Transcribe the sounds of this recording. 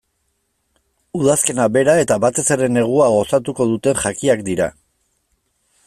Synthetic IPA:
uðaske̞naβe̞ɾae̞t̪aβat̪e̞se̞ɾe̞ne̞ɣ̞uaɣ̞o̞sat̪uko̞ð̞ut̪e̞nʝakiakd̪iɾa̰

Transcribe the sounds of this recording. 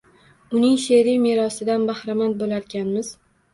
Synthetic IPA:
ʊnɪŋʃe̞ɾimeɾɒsɪd̪anbahɾamand̪̚bolaɾɡʲanmɪz̥

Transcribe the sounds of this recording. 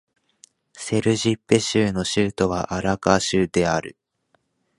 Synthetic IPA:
se̞ɾɯ̟ʑipːeɕɨːno̞ɕɨːt̪o̞βaʔaɾakaɕɨːd̪e̞aɾɯ̟̰

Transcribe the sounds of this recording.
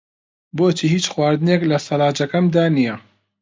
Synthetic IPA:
boːt͡ʃiːhiːt͡ʃxwaːɾd̪ɨneːklɐsɐlaːd͡ʒɐkɐmd̪aːnijɐ

